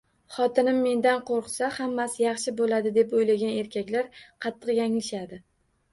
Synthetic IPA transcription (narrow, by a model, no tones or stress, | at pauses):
χɒt̪ʰɪnɪmːe̞nd̪anqʰoɾqsahamːasɪjɑχʃɪbolad̪ɪd̪e̞pojlaɡʲane̞ɾkʲakʲlaɾqʰɑt̪ʰːɨqjaŋlɪʃad̪ɪ